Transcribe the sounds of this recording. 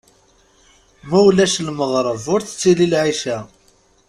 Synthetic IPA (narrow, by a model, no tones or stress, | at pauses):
mæwlæʃlməðˤɾˤəvʊɾθə̥t͡sːililʕiʃæ